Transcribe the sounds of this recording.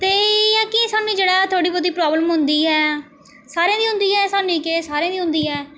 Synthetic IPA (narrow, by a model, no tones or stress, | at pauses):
t̪eːjãːkɪsaːnĩːd͡ʒeːɽaːt̪ʰoːɽiːbɔːd̪iːpɾaːbləmɦʊnd̪iːɛː | saːɾẽːd̪iːɦʊ̃nd̪iːɛːsaːnĩːkeːsaːɾẽːd̪iːɦʊ̃nd̪iːɦɛː